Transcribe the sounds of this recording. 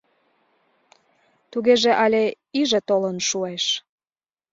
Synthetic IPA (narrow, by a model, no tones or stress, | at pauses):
t̪uɣeʒĕʔɑlʲe | iʒĕt̪olənʃueʃ